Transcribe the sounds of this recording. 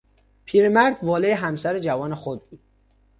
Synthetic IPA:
pʰiːɾemæɾd̪vɒːleeɦæmsæɾed͡ʒævɒːnexod̪̚u

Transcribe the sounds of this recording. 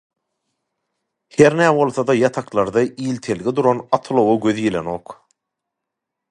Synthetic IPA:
heɾnæːβo̞lˠθod̪ɑjɑt̪ʰɑqlˠɑɾd̪ɑʔiːlt̪ʰe̞lɡid̪uɾonɑt̪ʰlˠowoɡøðjileno̞ːq

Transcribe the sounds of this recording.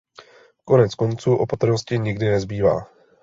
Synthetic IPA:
ko̞nɛt͡sko̞nt͡suːʔo̞pat̪r̩noscɪɲɪɡdɪnɛzbiːva̰ː

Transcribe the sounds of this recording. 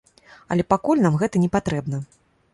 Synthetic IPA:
ɐ̰lʲɛpakulʲnamɣɛt̪ɐnʲɛpat̪ɾɛbn̪ɐ

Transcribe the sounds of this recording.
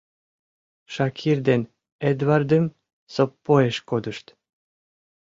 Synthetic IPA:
ʃɑkʰird̪en | ed̪vɑrd̪ə̆m | sopːoeʃkod̪ə̆ʃt̪

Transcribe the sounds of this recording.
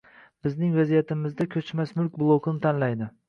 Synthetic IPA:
b̥ɪznɪŋvazijat̪ʰɪmɪzd̪akʲʰɵt͡ʃmasmʊlkʲblˠokʰʊnɪt̪ʰanlajd̪ɪ

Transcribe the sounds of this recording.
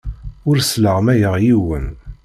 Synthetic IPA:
ʊɾsləʁmæjəʁjiwə̰n

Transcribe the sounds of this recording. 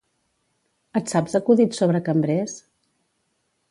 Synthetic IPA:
ət̪sabzəkuðit̪soβɾəkəmbɾes

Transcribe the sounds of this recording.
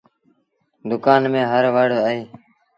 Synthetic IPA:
d̪ʊkaːnmẽːɦəɾʋaːɽoːaːɦiː

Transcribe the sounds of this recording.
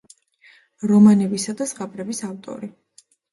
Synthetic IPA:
ɾɔmanɛbisad̪asʁabʼɾɛbisavt̪ʼɔ̰ɾi

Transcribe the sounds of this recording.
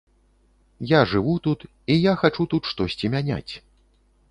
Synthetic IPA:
jaʐɨvut̪ut̪ | ijaxat͡ʂut̪ut̪ʂt̪ɔsʲt͡sʲimʲanʲa̰t͡sʲ

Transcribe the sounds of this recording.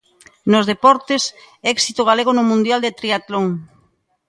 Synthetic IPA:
nozðepɔɾt̪es | ɛksit̪oɣ̞aleɣ̞onʊmũnd̪jald̪et̪ɾiat̪loŋ

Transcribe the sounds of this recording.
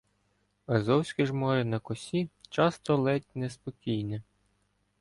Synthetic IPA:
ɐzɔwsʲkiʒmɔɾɪnɐkɔsʲit͡ʃɑst̪ɔlˠɛtʲnespɔkʲijnɛ

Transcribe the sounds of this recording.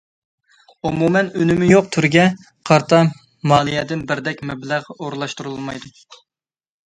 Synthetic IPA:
umumɛnynɪmɪjoqt̪ʰyɾɡʲɛ | qʰɑɾt̪ʰɑ | mɑːlˠijɛd̪ɪnbɪɾd̪ɛkʲmɛblæʁoɾlˠɑʃt̪uɾɨulˠmɑjd̪u

